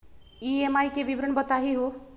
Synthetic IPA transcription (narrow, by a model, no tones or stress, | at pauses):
iemajkeʋibɾəɳbət̪aɦiɦo